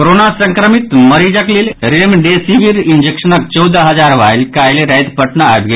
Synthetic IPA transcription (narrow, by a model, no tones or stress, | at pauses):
oɾonasə̃ŋkɾəmit̪məɾid͡zakliːlɾemɖesiʋiɾiɲd͡ʑekʂənak̚t͡ɕɔwd̪əɦəd͡zaɾʋajlkajleɾajd̪pəʈnaa̰jt̪ɡe